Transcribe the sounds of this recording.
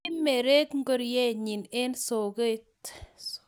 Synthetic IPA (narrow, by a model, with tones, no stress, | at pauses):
me˨ɾe˦kŋ˦ɡo˦ɾjɛ˦ɲi˨ne˦nso˨ɡe˦t